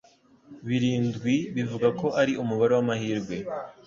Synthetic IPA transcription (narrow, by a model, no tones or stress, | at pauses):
βiɾiːnzɡwiβivuɡako̞ʔaɾiʔumuβaɾe̞wamahiːɾɡwe̞